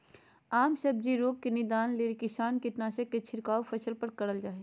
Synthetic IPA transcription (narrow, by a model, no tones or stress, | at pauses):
aːmsɐb̚d͡ʒiɾoːɡ̚kenɪd̪aːnleːɾkɪsaːnkɪʈnaːsəkːet͡ʃʰɪɾkaːwpʰɐsəlpɐɾkɐɾəld͡ʒaːɦe